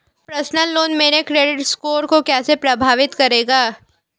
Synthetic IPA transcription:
pɾɐsnəlːoːnmeːɾekɾeːɖɪʈskoːɾkokɛːsepɾɐbʱaːʋɪt̪kɐɾeːɡaː

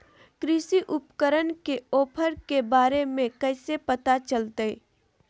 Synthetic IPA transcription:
kɾɪsiʔʊpkəɾənkeoːpʰəɾkebaːɾemẽkɐɪsepət̪at͡ʃəlt̪ee

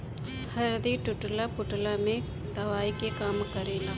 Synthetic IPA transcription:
hɐɾd̪iʈʊʈlapʊʈlamẽ | d̪ɐʋaːikekaːmkɐɾeːla

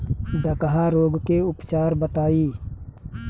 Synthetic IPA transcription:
ɖəkəɦaɾoːɡkeʊpt͡ʃaːɾbət̪aːiː

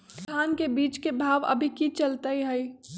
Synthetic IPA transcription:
aːnkebiːt͡ʃkebʱaːʋə̰bʱikit͡ʃəlt̪aiɦɛi

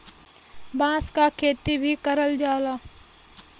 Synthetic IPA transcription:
bãːskakʰeːt̪ibʱikəɾəld͡ʒaːlaː

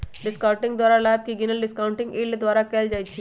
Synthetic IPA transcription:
ɖɪskaʊ̃ɳʈɪ̃ŋɡd̪waːɾalaːb̚kiɡɪnəlɖɪskãʊ̃ɳʈɪ̃ŋɡiːld̪ʋaːɾakɛːld͡ʒaːjt͡ʃʰi

